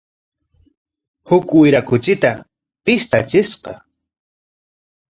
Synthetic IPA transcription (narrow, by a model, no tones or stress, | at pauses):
hʊkɪjɾakʊt͡ʃɪt̪a | pɪst̪at͡ʃɪsqɑ̰